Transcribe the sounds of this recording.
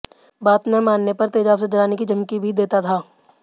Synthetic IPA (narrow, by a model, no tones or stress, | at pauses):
baːt̪nɛ̃maːnːepɐɾt̪eːd͡ʒaːbsed͡ʒɐlaːnekid͡ʒɐmkibʱid̪eːt̪at̪ʰaː